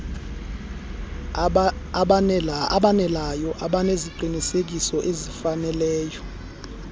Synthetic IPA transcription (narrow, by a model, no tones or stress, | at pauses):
aɓanɛlajɔʔaɓaneziǃʱinisek̬isɔʔezifanɛlɛːjɔ